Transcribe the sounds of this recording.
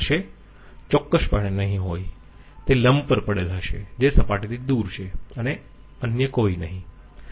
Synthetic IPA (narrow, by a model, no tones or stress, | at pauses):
ʃe | t͡ʃɔkːəʃpəɳ̃enəɦĩɦoj | t̪eləmbpəɾpəɽelɦəʃḛd͡ʒesəpaʈit̪ʰid̪uɾt͡ʃʰeəne | ənjəkoinəɦĩ